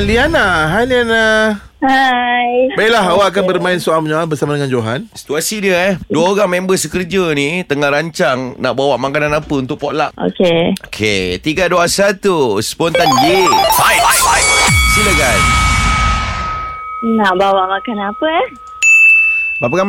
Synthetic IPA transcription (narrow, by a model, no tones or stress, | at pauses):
lianaɦaliana | hajbailaɦawaːk̬anbərmãɪnsualməɲaalbərsamadəŋãnd͡ʒoɦansi̥t̪uasidiəɛduaoɾaŋmembəsəkərd͡ʒənit̪əŋahɾaɲt͡ʃaŋna̰ʔbawaʔmakananapəunt̪ʊkʔ̚pɔʔla̰ʔo̰keokʰḛt̪iɡaduasat̪uspɔnt̪andiajjsilaɡaj | naʔbawaʔmakanapə | bapaɡam